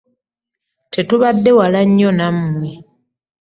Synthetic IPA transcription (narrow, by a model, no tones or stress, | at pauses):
tʰetuβadːe̞walaɲːonamːwe